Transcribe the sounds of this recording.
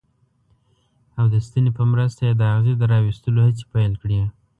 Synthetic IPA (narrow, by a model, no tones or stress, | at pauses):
awd̪əst̪ənepəmɾəst̪ajed̪əaɣzid̪əɾɑwist̪əlohat͡si̥pajlkɽi